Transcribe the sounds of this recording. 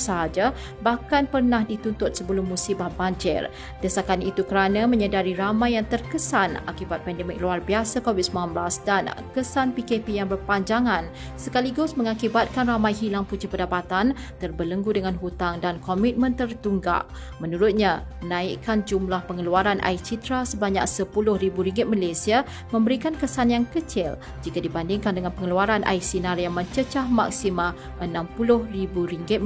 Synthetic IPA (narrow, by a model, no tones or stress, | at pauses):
səɦad͡ʒa | bahkanpərnahdit̪unt̪ʊt̪̚səbəlʊmːũsibahbaɲd͡ʒɪ̰r | d̪əsakanit̪ukəɾanãmə̃ɲədaɾiɾamãjːaŋt̪ərkəsana̰kibat̪̚pɛndɛmɪk̚luarbiasakovit̪̚səmanblasdankəsanpikepijaŋbərpaɲd͡ʒaŋãn | səkaliɡʊsmə̃ŋakibat̪̚kanramãjɦilaŋput͡ʃipədapat̪an | t̪ərbələŋɡudəŋanɦut̪aŋdankɔmit̪̚mə̃nt̪ərt̪uŋɡa̰ʔ | mənuɾʊt̪̚ɲaənãiʔkand͡ʒumlahpəŋəluaɾanʔa̰it͡ʃit̪ɾasəbaɲa̰ksəpulʊhribuɾiŋɡɪt̪̚malasia | mə̃mbəɾikankəsanjaŋkət͡ʃɪl | d͡ʒikadibandɪŋkandəŋanpəŋəluaɾanʔa̰isinaɾjaŋmə̃ɲt͡ʃət͡ʃahma̰ksimã | ʔənãmpulʊhribuɾiŋɡɪt̪̚